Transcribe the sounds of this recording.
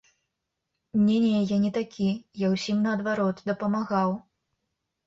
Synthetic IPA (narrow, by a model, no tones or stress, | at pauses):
mnʲenʲɛjajanʲɛt̪akʲʰijawsʲimnɐːd̪vaɾɔt̪d̪ɐpɐmaɣaw